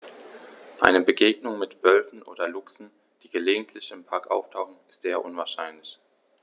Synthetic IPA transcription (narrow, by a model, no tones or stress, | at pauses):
ʔa̰ɪnəbəɡeːɡnʊŋmɪtv̥œlfn̩ʔo̰ːdɐlʊksn̩ | d̥iːɡəleːɡŋ̩tʰlɪçɪmpʰaɐkʔa̰ʊftʰaʊxn̩ɪstz̥eːɐʔʊnvaɐʃaɪnlɪç